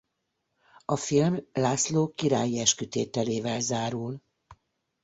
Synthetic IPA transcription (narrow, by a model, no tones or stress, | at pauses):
ɒfilmlaːsloːkiɾaːjiɛʃkyt̪eːt̪ɛleːvɛlzaːɾul